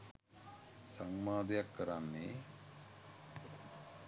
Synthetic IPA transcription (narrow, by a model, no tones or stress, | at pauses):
sɐŋmaːd̪ɐjakːɐɾanːe